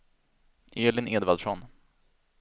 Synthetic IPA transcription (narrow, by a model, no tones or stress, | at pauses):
ʔeːlɪneːd̪vald̪ʂɔn